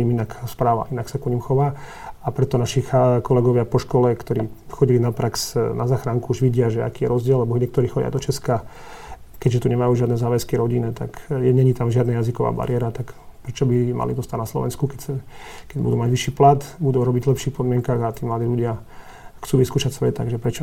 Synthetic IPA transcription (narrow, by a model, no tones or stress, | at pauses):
ɲiminakspɾaːʋa̰ʔinaksakɔɲimxɔʋaː | apɾɛt̪ɔnaʃixkɔlɛɡɔʋɪapɔʃkɔlɛkt̪ɔɾiːxɔɟilinapɾaksnazaːxɾaŋkuuʒʋiɟɪaʒɛa̰kiːjɛɾɔzɟɪɛlːɛbɔɲɛk̚t̪ɔɾiːxɔɟɪa̰d̪ɔt͡ʃɛska | kɛɟʒɛt̪uɲɛmajuːʒɪad̪nɛzaːʋɛskiɾɔɟinɛt̪a̰kɛɲɛɲit̪amʒɪad̪najazikɔʋa̰ːba̰ɾɪɛɾat̪akpɾɛt͡ʃɔbima̰lḭd̪ɔst̪aɟnaslɔ̰ʋɛ̰nskukɛcsɛkɛɟbṵd̪uːmaɟʋiʃːiːplat̪bud̪uːɾɔbiɟlɛpʃiːxpɔd̪mɪɛŋkaːɣat̪iːmlad̪iːʎuɟɪa | xt͡suːʋiskuːʃacsʋɛt̪a̰ɡʒɛpɾɛt͡ʃɔ